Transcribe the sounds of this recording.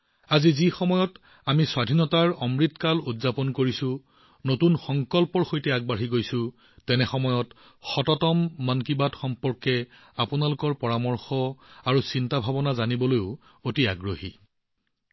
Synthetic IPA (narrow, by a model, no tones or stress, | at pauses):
azizixɔmɔjɔt | amiswadʱinɔtaɹɔmɹitkalutzapɔnkoɹisʊ̃ | notunxɔŋkɔlpɔɹxojtɛaɡ̚baɹɦiɡojsʊ̃ | tɛnɛxɔmɔjɔt | xɔtɔtɔmːankibatxɔmpɔɹkɛ | apʊnalʊkɔɹpɔɹamɔɹxɔaɹusintabʱabɔnazanibɔlojʊ | otiaɡɹohi